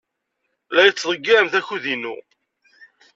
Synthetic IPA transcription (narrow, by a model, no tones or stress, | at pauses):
læjət͡sːðˤəɡːiɾəmθæçuðinṵ